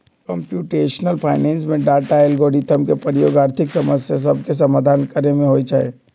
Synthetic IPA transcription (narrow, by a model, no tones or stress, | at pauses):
kə̃mpjuʈeːʃnəlpʰaɪneːnsmẽɖaʈaelɡoɽit̪ʰəmkepɾəjoːɡaːɾt̪ʰiksəməsjas̬əb̚ʱkes̬əmaːd̪ʱaːnkəɾemẽɦoit͡ʃaɛ